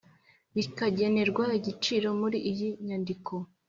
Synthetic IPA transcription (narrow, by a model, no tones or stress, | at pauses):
βikaɟe̞ne̞ɾɡwaiɟit͡ʃiɾo̞muɾiʔːjiɲandiko̞